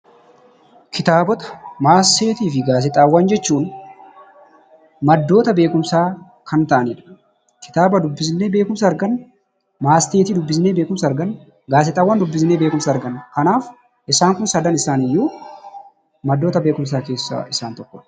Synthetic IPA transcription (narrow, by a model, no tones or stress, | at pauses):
kʰɪt̪aːbɔt̪ɐ̥maːst̪e̞ːt̪iːfɪɡaːs̬ɪt̪ʼaːwːɐnd͡ʒɛt͡ʃːuːn | mɐd̪ːo̞ːt̪ɐbe̞ːkʊmsaː | kʰɐnt̪ɐʔɐniːᶑɐ̥ | kɪ̥t̪aːbɐd̪ʊbːɪsne̞ːbe̞ːkʊms̬ɐːɾɡɐn | maːst̪eːt̪iːd̪ʊbːɪsneːbe̞ːkʊmsɐɐɾɡɐn | ɡaːsɪt̪ʼaːwːɐːnd̪ʊbːɪsneːbe̞ːkʊmsaːɐɾɡɐnkɐnaːf | ʔɪsaːŋkʊnsɐd̪ɐnɪsaːnɪjːuː | mɐd̪ːo̞ːt̪ɐbe̞ːkʊms̬aːke̞ːsːɐ̰ɪsaːnt̪ɔkːɔ